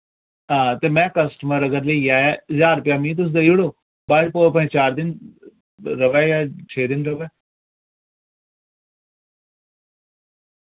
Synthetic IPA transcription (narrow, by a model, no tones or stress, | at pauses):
ɦãːt̪eːmɛ̃ːkəsʈəməɾəɡəɾləiaːɛːzaːɾpjaːmĩːt̪̬ʊs̬d̪əiʊɽoː | baːd͡ʒpoːp̬ə̃ːt͡ʃaːɾd̪ɪn | ɾəʋɛːjaːt͡ʃʰeːd̪ɪnɾəʋɛː